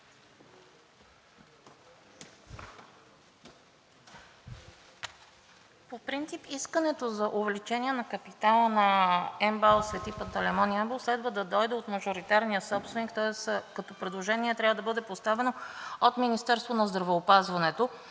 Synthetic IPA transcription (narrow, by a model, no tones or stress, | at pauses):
popɾint̪sipiskənɛt̪ozɐʔovɛlit͡ʃɛniɛnɐkɐpit̪alˠənɐɛmbalˠsvɛt̪ipɐt̪ɐlɛmɔniabɛlˠslɛd̪vəd̪ɐd̪ɔjd̪ɛot̪mɐʒoɾit̪aɾnijəsɔpst̪vɛnikt̪ɔɛskɐt̪ɔpɾɛd̪lˠoʒɛniɛt̪ɾʲavəd̪ɐbɤd̪ɛpost̪avɛnoot̪minist̪ɛɾst̪vonɐzd̪ɾɐvɛopazvɐnɛt̪o